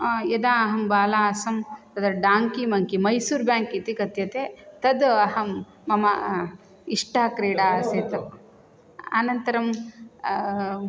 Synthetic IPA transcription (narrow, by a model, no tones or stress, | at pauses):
jɐd̪aːɐɦɐmbaːlaːɐsɐmt̪ɐd̪ɖaːŋkimɐŋkimɐjsuːɾbjaːŋkit̪ikɐt̪jɐt̪eːt̪ɐd̪ɐɦɐmː | ɐmɐ | iʂʈaːkɾeːɽaːɐseːt̪ɐ | ɐnɐnt̪ɐɾɐm